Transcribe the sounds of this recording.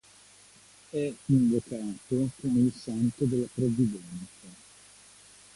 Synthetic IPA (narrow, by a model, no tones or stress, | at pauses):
ɛiɱvokaːt̪okomeilsant̪od̪elːapɾovid̪ɛntt̪sa